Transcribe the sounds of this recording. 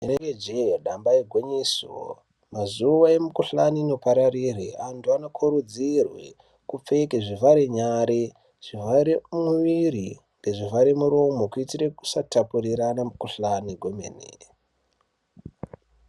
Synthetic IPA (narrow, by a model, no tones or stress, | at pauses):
eneɡed͡ʒeoɗambaeɡʱweɲiso̰ | mazuʋae̞mukuɬaniːno̞paɾarirḛantʰuanokʰuɾud͡zirwḛ | kup͡fe̞keʐivaɾeɲaɾe | ʐ̥ivaɾemuʋiɾi | ŋɡe̞ʐivaɾemuɾo̞mokuitireku̥satapuriɾanamukuɬaniɡʱomḛnḛ